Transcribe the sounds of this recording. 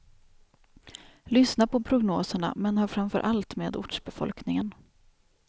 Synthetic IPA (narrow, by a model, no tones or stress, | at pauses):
lʏsnapɔpʰɾʊɡnoːsəɳa̰mɛnhɑːɾfɾamfœ̰ɾʔalt̪meːd̪ʊ̰ʈʂbɛfɔ̰lknɪŋən